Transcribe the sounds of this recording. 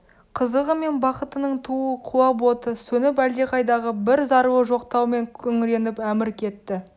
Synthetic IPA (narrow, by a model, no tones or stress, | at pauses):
qʰəzəʁəme̞nbɑqət̪ənəɴt̪ʰuəqʰuɑbo̞t̪əsɵnɪp̬æld̪e̞qɑjd̪ɑʁəbɪɾzɑɾəwəʒo̞qt̪ɑwme̞ŋkʲʰɵŋɪɾe̞nɪpæmɪɾkʲʰe̞t̪ːɪ